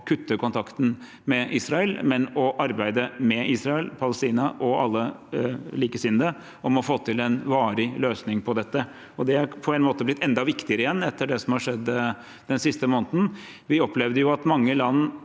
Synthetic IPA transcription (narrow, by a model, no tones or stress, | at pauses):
kʰʉt̪ːəkʰʊnt̪ʰɑkt̪n̩ | mɛʔiːsɾɑəlmɛnɔʔɑɾbæɪd̪əmɛiːsɾɑɛlpʰɑləst̪iːnɑʔɔɑ̰lːə | liːkəsɪnd̪ə | ɔmɔfoːt̪ʰɪlɛnʋɑːɾɪløːsnɪŋpʰɔd̪ɛt̪ːə | ɔd̪ɛæɾpʰɔɛnmoːt̪əblɪt̪ʰːɛnd̪ɑʋɪkt̪ɪəɾəɪjɛnːɛt̪ːəɖɛsɔmhɑʂɛd̪ː | d̪̥ɛnsɪst̪əmoːnt̪n̩ | ʋɪɔpʰlɛʋd̪əjʊɑt̪mɑŋːəlɑnː